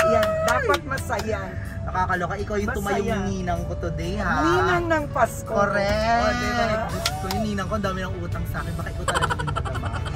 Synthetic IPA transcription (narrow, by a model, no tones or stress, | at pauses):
jand̪aːpɐt̪̚mɐsɐja | nɐkaːkɐlokɐʔɪkawjʊŋtt̪ʊmɐjʊŋɪniːnɐŋkot̪ʊd̪ɛjhaiːnɐŋnɐŋpaskoɾɛɐɾɛɡʊst̪ojʊniːnɐŋkoʔɐnd̪aːmɛnɐŋʔuːt̪ɐŋsaːkɛnbaːkaʔɪkawt̪ɐlɐɡɐd̪ʊnɐt̪ɐ